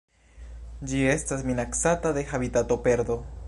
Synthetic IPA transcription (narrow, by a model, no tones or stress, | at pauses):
d͡ʒiest̪asminaksat̪aðexaβit̪at̪o̞peɾd̪o